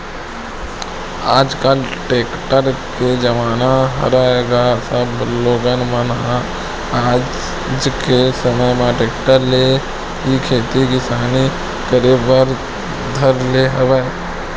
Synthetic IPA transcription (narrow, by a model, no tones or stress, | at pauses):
aːd͡ʒkalʈeːkʈəɾked͡ʒəmaːnaɦə̰ɾaeːɡasəbloːɡənmənɦa | aːd͡ʒ | d͡ʒkesəməjmãʈeːkʈəɾle | ikʰeːt̪ikɪsaːni | kəɾebəɾ | d̪ʱəɾleɦɐweː